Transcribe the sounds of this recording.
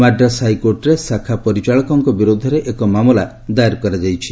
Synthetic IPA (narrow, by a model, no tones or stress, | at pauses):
maɖɾasajkoʈɾesakʰapɔɾit͡ʃaɭɔkɔŋkɔbiɾod̪ʱɔɾeʔekɔmamɔla | d̪ajɾkɔɾad͡ʒajt͡ʃʰi̥